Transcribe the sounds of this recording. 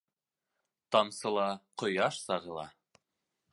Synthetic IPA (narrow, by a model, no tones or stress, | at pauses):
t̪ɑmsɤ̆lˠɑqŏjɑʃsɑʁɤ̆lˠɑ̰